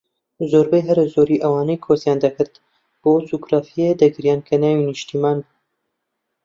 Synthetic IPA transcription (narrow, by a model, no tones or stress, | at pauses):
zoːɾbɛjɦɛɾɨzoːɾiːʔɐwɑːnɛjkʰoːsjaːnd̪ɐkʰɨɾt̪ | b̥oːt͡suɡɾaːfijed̪ɐɡɨɾijaːnkʰɐnaːwiniʃt̪iːmaːn